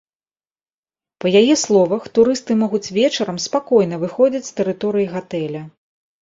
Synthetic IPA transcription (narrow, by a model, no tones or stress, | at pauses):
pɐjajɛslˠɔvɐxt̪uɾɨst̪ɨmɔɣut͡sʲvʲɛt͡ʂɐɾɐmspakɔjnɐvɨxɔd͡zʲit͡sʲst̪ɛɾɨt̪ɔɾɨjiɣat̪ɛlʲɐ